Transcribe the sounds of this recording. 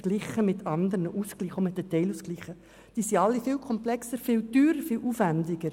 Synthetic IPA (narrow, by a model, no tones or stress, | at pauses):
ɡ̥lɪχəmɪt̪ʰɑnd̪əɾnəʔuskliːχomɪt̚dətɛɪluskliːχə | d̥iːsiɑlːifɪːlkʰɔmplɛksəɾfɪːltyːɾəɾfɪlʔuːfændɪɡ̥əɾ